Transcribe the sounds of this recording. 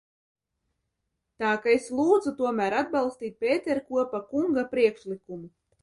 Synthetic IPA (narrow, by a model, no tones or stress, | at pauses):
t̪aːkaeslˠuːd̪zut̪uɔmæːɾad̪̚bɑlˠst̪iːt̪̚ʲpʲeːt̪eɾkuɔpakuŋɡapɾiɛkʃlikumu